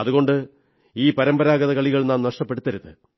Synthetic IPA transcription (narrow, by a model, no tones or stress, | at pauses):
ɐðuɣo̞ɳɖɨ | iːpɐɾɐmbɐɾaːɡɐðɐkɐɭiɣɐɭnaːmnɐʂʈɐpːeɽut̪ːɐɾuðɨ̰